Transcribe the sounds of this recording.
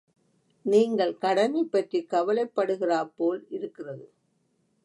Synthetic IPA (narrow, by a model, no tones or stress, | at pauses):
niːŋɡɐɭkɐɽɐnɐɪpːɐʈrikːɐʋɐlɐɪpːɐɽɯɣɪraːpoːlɪɾɯkːɪrɐðɯ